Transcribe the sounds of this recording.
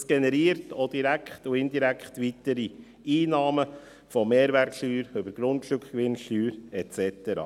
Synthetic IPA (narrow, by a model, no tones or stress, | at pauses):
sɡ̥ɛnɛɾiːəɾtʰod̪iɾækχtuɪnd̪iɾækχtʋit̪əɾi | iːnɑːmə | fɔmeːɾʋæɾkʃtyːɾʏbəɾɡ̥ɾʊntʃtʊkχkʋɪnʃtyːɾɛt͡sɛt̪əɾɑ̰ː